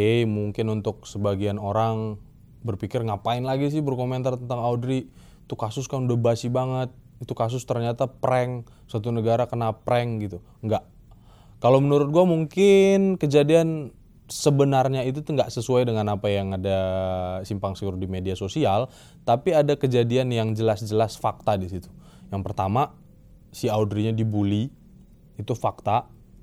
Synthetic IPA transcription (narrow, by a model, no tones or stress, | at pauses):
emuŋkɪnunt̪ʊk̚səbaɡianoɾaŋ | bərpikɪrŋapaɪnlaɡis̬ɪhbərkoment̪art̪ənt̪aŋaudɾi | it̪ukasʊskanudahbasibaŋət̪̚ | it̪ukas̬ʊst̪ərɲat̪apəɾɛŋ | sat̪unəɡaɾakənapɾɛŋɡit̪u | ŋɡaʔ | kalowmənuɾʊt̪̚ɡuamuŋkɪnkəd͡ʒadian | səbənarɲait̪̬ut̪uŋɡaʔsəsuajdəŋanapajaŋadasimpaŋsiɾudimediasosial | t̪apiadakəd͡ʒadianjaŋd͡ʒəlasd͡ʒəlasfak̚t̪adisit̪u̥ | jaŋpərt̪ama | siaudɾiɲadibuliː | t̪ufak̚t̪a